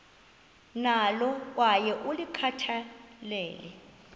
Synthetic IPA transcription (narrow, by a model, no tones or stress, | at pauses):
nalɔk̬ʼwajɛʔulikʰatʰalɛːlɛ̰